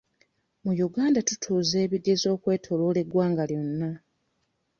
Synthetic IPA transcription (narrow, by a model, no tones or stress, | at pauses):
mujuɡaːndatu̥tʰuːze̞ːβiɡːe̞zo̞ːkwe̞ːtʰo̞lo̞ːle̞ɡwaːŋɡaljo̞nːa